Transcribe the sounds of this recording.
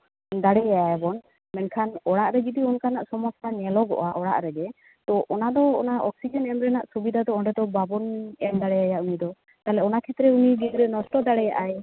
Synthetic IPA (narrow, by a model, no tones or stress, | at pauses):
d̪aɽɛjaaɛbɔn | mɛnkʰanɔɽaʔɾɛd͡ʒid̪iɔnkanaʔsɔmɔsanɛlɔɡɔ̰ʔaʔɔɽa̰ʔɾɛɡɛ | t̪ɔʔɔnad̪ɔɔ̰naɔksid͡ʒɔnɛmɾɛnaʔsubid̪ʱad̪ɔɔɳɖɛd̪ɔbabɔnɛmd̪aɽɛjajaʔunid̪ɔ | t̪alɛɔnakʰɛt̪ɾɛuniɡiɡ̪ɾɛnɔsʈɔd̪aɽɛjaʔaj